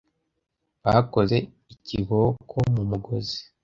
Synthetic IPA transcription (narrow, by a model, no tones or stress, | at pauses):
βako̞ze̞ | iciɡo̞kʰomumuɡo̞zi̥